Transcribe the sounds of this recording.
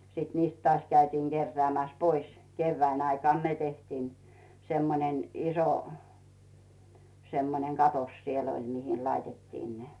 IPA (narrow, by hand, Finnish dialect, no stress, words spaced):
siˑt niːst tŏɑːsʲ kæytiːŋ ɡ̊erːeæˑmæs pois keyʋːæːn ɑikɑˑn ne tehtiːn semːonen iso semːoneŋ kɑtos sielː olʲ mihin lɑitetːiːn ne